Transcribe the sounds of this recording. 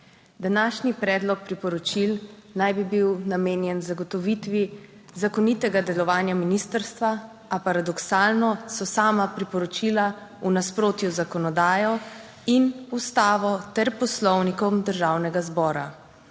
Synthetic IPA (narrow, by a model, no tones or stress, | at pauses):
d̪anaːʃnipɾɛːd̪lɔk̚pɾipɔɾɔt͡ʃilnajbibiwnameːnjɛnzaɡɔt̪ɔʋit̪ʋi | zakɔnit̪ɛɡad̪ɛlɔʋaːnjaminist̪əɾst̪ʋa | apaɾad̪ɔksaːlnɔsɔsaːmapɾipɔɾɔt͡ʃiːlaunaspɾoːt̪juzakɔnɔd̪aːjɔ | inust̪aːʋɔt̪ɛɾpɔslɔwnikɔmd̪əɾʒaːwnɛɡazbɔːɾa